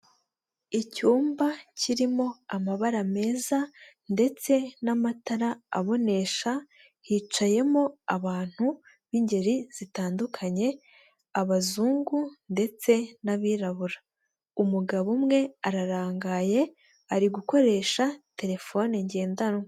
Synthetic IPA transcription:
icuːmbaciɾimo̞amaβaɾame̞ːza | nde̞t͡se̞namataɾaa̰βo̞ne̞ʃa | hiːt͡ʃaje̞mo̞aβaːn̥hu | βiɲɟe̞ɾiz̥itaːndukʰaɲe̞ | aβazuːŋɡunde̞t͡se̞naβiːɾaβuɾa | umuɡaβumŋe̞aɾaɾaːŋɡaje̞ | aɾiɡuko̞ɾe̞ːʃate̞ɾe̞fo̞niɲɟe̞ːndano

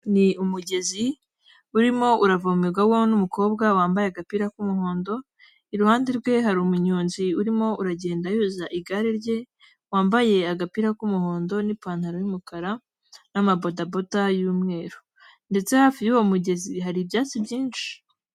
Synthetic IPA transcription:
niumuɟe̞zi | uɾimo̞ʔuɾavaumeɡawonumuko̞ːbɡawaːmbajeaɡapiːɾakumuɦo̞ːndo̞ | iɾuhaːndeɾɡwe̞ɦaɾumuɲuːnziuɾimo̞uɾaɟe̞ːndajuːzaʔiɡaɾiɾɟe̞ | waːmbaje̞aɡapiɾakumuho̞ːndo̞nipaːn̥haɾojumukaɾa | namabo̞dabo̞tajuːmŋe̞ːɾo | nde̞t͡se̞hafijuwomuɟe̞ziɦaɾibjaːt͡sibɟiːnʃi̥

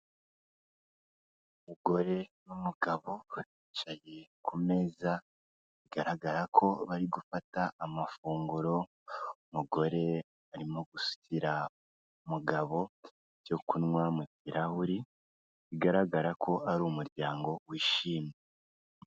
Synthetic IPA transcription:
umuɡo̞ɾe̞numuɡaβo̞it͡ʃajekʰume̞za | βiɡaɾaɡaɾakʰo̞βaɾiɡufataːmafuːŋɡuɾo̞ | umuɡo̞ɾe̞ | aɾimo̞ɡusu̥tʰiɾa | umuɡaβo̞ | o̞kunŋwamukiɾahuɾi | iɡaɾaɡaɾakʰo̞aɾuːmuɾɟaːŋɡo̞wiːʃiːme

